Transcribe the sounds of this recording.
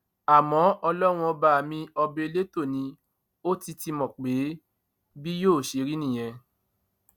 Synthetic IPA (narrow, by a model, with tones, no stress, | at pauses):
a˨mɔ̃˨˦ʔɔ˧lɔ˦w̃ɔ̃˧ba˧˨mĩ˧ɔ˧be˧le˦to˦˨nĩ˨˧ | o˦ti˧ti˧mɔ̃˨k͡pe˨˦ | bi˦joː˦˨ʃe˧˦ɾi˦nĩ˦˨j̃ɛ̃˧